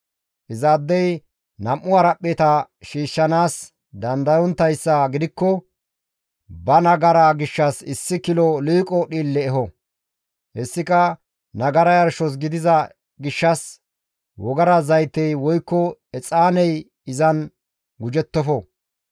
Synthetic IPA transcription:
ʔɪzaːd̪ːɛj | nɐmʔːʊɐɾɐpʼːeːt̪ɐʃiːʃːɐnaːs | d̪ɐnd̪ɐjɔnt̪ːɐjsːɐɡɪd̪ɪkːɔ | bɐnɐɡɐɾaɡɪʃːɐsɪsːɪkɪlɔliːkʼɔɗiːlːɛːɦɔ | hɛsːɪkɐ | nɐɡɐɾɐjɐɾʃɔs̬ɡɪd̪ɪzɐ | ɡɪʃːɐs | wɔɡɐɾɐzɐjt̪ːɛjwɔjkːɔɛt͡sʼaːnɛj | ɪzɐn | ɡʊd͡ʒɛt̪ːɔfɔ

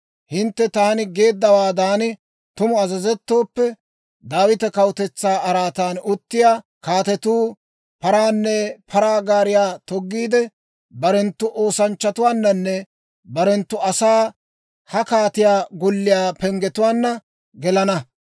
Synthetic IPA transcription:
hɪnt̪ːɛt̪ɐhɐnɪɡe̞ːd̪ːɐwaːd̪aːnɪ | t̪ʊmʊɐzɐzɛt̪ːo̞ːpːɛ | d̪aːwɪt̪ɛkɐwʊt̪ɛt͡sːaːɐɾaːt̪aːnʊt̪ːɪjaː | kaːt̪ɛt̪uː | pɐɾaːnːɛpʰɐɾaːɡaːɾɪjaːt̪ɔɡːiːd̪ɛ | bɐɾɛnt̪ːʊʔo̞ːsɐnt͡ʃːɐt̪ʊwaːnːɐnːɛ | bɐɾɛnt̪ːʊɐsaː | hɐkaːt̪ɪjaːɡʊlːɪjaːpɛŋɡɛt̪ʊwaːnːɐ | ɡɛlɐnɐ

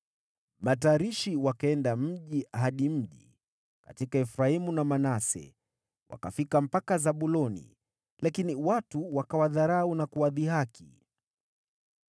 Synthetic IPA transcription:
mataːɾiʃiwakaɛndam̩ʄiɦaɗim̩ʄi | ka̰tikaɛfɾaimunamanasɛ̰ | wʔa̰ka̰fikam̩pakazaɓulɔnḭ | lakiniwatuwakawaðaɾaunakuwaðihakʰi

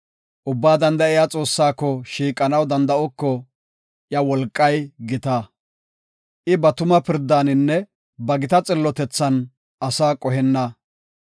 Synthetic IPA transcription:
ʔʊbːaːd̪ɐnd̪ɐɪjat͡sʼo̞ːsːaːkːɔʃiːkʼːɐnɐwd̪ɐnd̪ɐʔɔkːɔ | ʔjɐwɔlkʼːɐjɡɪt̪aː | ʔɪbɐt̪ʊmɐpɪɾd̪aːnɪnːɛ | bɐɡɪt̪ɐt͡sʼɪlːɔt̪ɛt͡sːɐn | ɐsaːkʼɔɦɛnːɐ

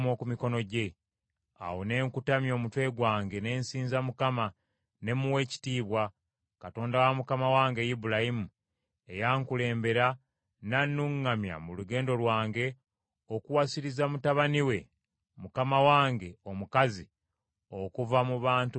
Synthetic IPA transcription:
mo̞kumiko̞no̞ɟe̞ | a̰wone̞ːŋkutamjo̞ːmutwe̞ːɡwaːŋɡe̞ne̞ːnsiːnzamukama | ne̞muwe̞ːci̥tiːβwa | kato̞ːndawamukamawaːŋɡe̞jibulahimu | e̞jaːŋkule̞ːmbe̞ɾa | nanːuŋːamja̰muluɡe̞ːndo̞lwaːŋɡe̞ | o̞kuwasiɾizamutaβaniwe̞ | mukamawaːŋɡe̞o̞mukazi | o̞kuvamuβaːntu

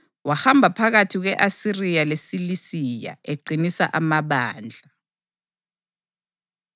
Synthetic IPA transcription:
waxambʱapʰaɣatʰiɣ̬wɛʔasirijalesilisija̰eɡ͡ǀʱinisa̰ʔamaɓaːnd͡ɮʱa

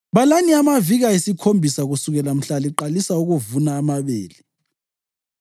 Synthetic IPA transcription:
βalaniamaviɣaisikʰombʱisaɣusuɣɛlam̩ɬaliǃalisauɣuvunaːmaβḛːli

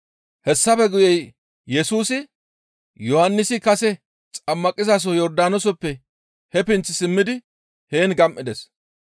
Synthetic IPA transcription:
hɛsːɐpɛɡʊjɛj | jɛsuːsɪ | jɔhɐnːɪsɪkɐsɛ | t͡sʼɐmːɐkʼɪzas̬ɔjɔɾd̪aːnɔsɔpːɛ | hɛpɪnt͡sːɪsɪmːɪd̪ɪ | he̞ːnɡɐmʔɪd̪ɛs

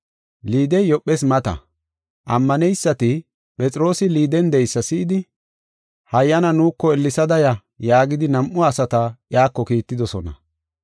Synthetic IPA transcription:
liːd̪ɛjjɔpːɛs̬mɐt̪ɐ̰ | ʔɐmːɐnɛjsːɐt̪ɪ | pʼɛt͡sʼɪɾo̞ːsɪliːd̪ɛnd̪ɛjsːɐsɪʔːd̪ɪ | hɐjːɐnɐnuːkːɔɛlːɪsɐd̪ɐjɐ | jaːɡɪd̪ɪnɐmʔʊɐsɐt̪ɐʔjaːkːɔkiːt̪ːɪd̪ɔsɔnɐ̰

